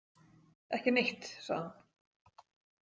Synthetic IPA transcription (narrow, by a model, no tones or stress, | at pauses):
ɛhcɪnɪht̪sa̰ðhan